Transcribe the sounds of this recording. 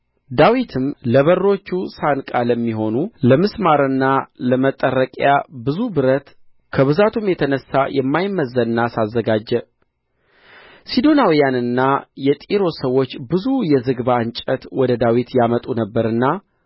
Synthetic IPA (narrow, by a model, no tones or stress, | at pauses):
d̪awit̪ʰɨmləβərːo̞t͡ʃːusankʼaləmːiɦo̞nuləmɨsmaɾɨnːaləmət̪ʼːərːəkʼjabɨzubɨɾət̪ | kʰəβɨzat̪ʰumjɛt̪ʰənəsːajɛmːajmːəzːəɨnːasazːəɡad͡ʒːɛ | sid̪o̞nawijanɨnːajɛt̪ʼiɾo̞səwːo̞t͡ʃːbɨzujɛzɨɡbaɨnt͡ʃʼət̪wɔd̪əd̪awit̪jamət̪ʼunəbːəɾɨnːa